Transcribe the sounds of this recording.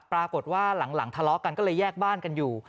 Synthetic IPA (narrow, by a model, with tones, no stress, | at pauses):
pɾaː˧ko˨˩t̪̚waː˥˩la˩˦ŋla˩˦ŋt̪ʰa˧lɔ˦˥ka˧nkɔː˥˩lɤː˧jːɛː˥˩k̚baː˥˩nka˧njuː˨˩